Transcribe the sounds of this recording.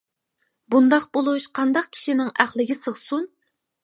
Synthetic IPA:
bund̪ɑqbolˠuʃqʰɑnd̪ɑq̚kʲʰi̥ʃinɪŋæχlˠɪɡʲɪsəʁsun

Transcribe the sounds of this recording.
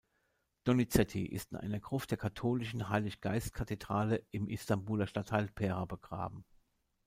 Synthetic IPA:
d̥ɔnit͡sɛtʰḭʔɪ̰stɪnʔa̰ɪnɐɡʁ̥ʊftd̥eːɐkʰatʰoːlɪʃn̩ɦaɪlɪçɡ̥aɪst̚kʰatʰedʁaːləʔɪmʔɪstambuːlɐʃtatʰːaɪlpʰɛːʁabəɡ̥ʁa̰ːbm̩

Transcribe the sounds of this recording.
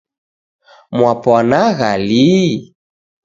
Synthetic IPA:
mwapɔnaɣali

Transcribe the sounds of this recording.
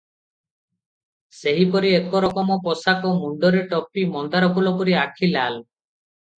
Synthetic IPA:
seɦipɔɾiekɔɾɔkɔmɔpɔsakɔmuɳɖɔɾeʈɔpimɔnd̪aɾɔkʰulɔkɔɾiakʰilal

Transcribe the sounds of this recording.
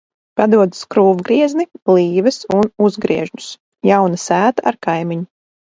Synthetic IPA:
pad̪uɔd̪skɾuːvɡɾiɛznib̥lˠiːvɨsunuzɡɾiɛʒnus | jawnasæːt̪aʔa̰ɾkajmiɲu

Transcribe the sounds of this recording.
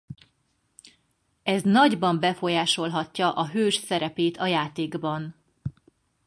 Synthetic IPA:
ɛznɒɟbɒmbɛfo̞jaːʃo̞lɦɒcːɒʔɒɦøːʃsɛɾɛpeːt̪ʰɒjaːt̪eːɡbɒn

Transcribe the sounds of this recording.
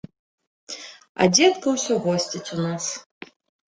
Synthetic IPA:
ɐ̰d͡zʲɛt̪kɐwsʲɔɣɔsʲt͡sʲit͡sʲunas

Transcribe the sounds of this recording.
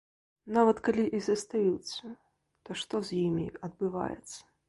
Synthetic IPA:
navɐt̪kalʲiʔizɐst̪ajut̪sːɐ | t̪ɔʂt̪ɔzʲjimʲḭɐd̪̚bɨva̰jɛ̰t̪sːɐ̥

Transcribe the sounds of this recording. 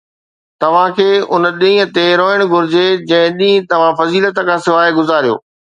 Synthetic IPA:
t̪ɐʋ̤ãkʰeːʊnɗĩĩːə̃̆t̪eɾoːəɽ̃ɡʱʊɾɪd͡ʑed͡ʑɐ̃ɦɪ̃ɗĩːt̪ɐʋ̤ãfɐziːlət̪kʰãːsɪʋaːeɡʊzaːɾijo̰ː

